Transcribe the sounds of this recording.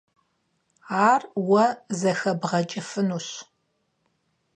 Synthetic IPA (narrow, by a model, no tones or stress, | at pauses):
aːrwɐzɐxɐbʁɐt͡ʃʼɪfɨnuːɕ